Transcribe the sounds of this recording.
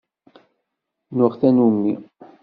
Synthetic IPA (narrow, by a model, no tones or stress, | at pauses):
nʊʁθænumːi